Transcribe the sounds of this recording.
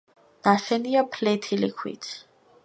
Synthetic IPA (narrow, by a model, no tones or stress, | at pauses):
n̥aʃɛniapʰlɛt̪ʰilikʰwḭt̪ʰ